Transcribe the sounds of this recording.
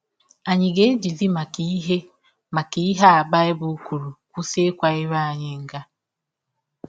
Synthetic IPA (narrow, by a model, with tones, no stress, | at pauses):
a˨ɲi˨ɡe˦d͡ʒi˨zi˦ma˨ki˦ɦe˦ | ma˨ki˨i˦ɦa˦a˨ba˦e˦bu˦ku˨ɾu˨ku˦se˦kwa˨e˦βa˦˨ɲe˦ŋ˦ɡa˦